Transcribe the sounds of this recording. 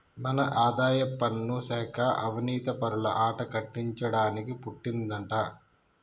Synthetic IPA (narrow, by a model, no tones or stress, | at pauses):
mɐnɐʔaːd̪aːjɐpːɐnːusɛːkʰɐʔɐʋɐniːt̪ɐpɐɾuɭɐ̰ʔaːʈɐkɐʈːiɲt͡ʃɐɽaːnikipuʈːind̪ɐɳʈaː